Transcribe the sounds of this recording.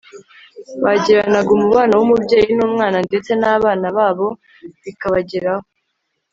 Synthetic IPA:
βaɟiɾanaɡumuβaːnawumubɟe̞ːjinuːmŋaːnande̞t͡se̞naːβaːnaβaːβo̞ | βikaβaɟeɾaho

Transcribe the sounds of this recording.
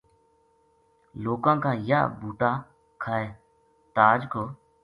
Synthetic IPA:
loːkãːkaːja̰ːbʱuːʈaː | kʰaːeː | t̪aːd͡ʒkʰoː

